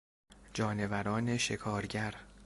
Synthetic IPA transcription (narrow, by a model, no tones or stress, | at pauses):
d͡ʒɒːne̞væɾɒːne̞ʃe̞kʰɒːɾɟæɾ